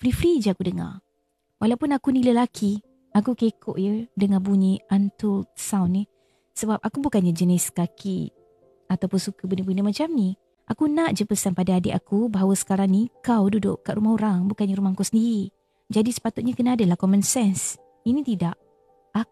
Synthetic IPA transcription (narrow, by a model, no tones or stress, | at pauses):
fɾifɾid͡ʒəakudəŋa̰ | wʔalawpʊnakuniləlakʰi | akukekʰoʔjədəŋabuɲəant̪ʊsawnːi | səbap̚akubukanɲad͡ʒəniskakʰi | at̪awpʊnsukəbənəbunəmat͡ʃamni | ʔakunaʔd͡ʒəpəsanpadaadɪ̰ʔakubaɦawəsə̥kaɾaŋnikawdudʊ̰ʔkaʔɾumahɦuɾaŋbukanɲaɾumahkosəndiɾi | d͡ʒadisə̥pat̪ʊt̪̚ɲəkənaːdəlahkɔmə̃nsɛns | inĩt̪idaʔ | a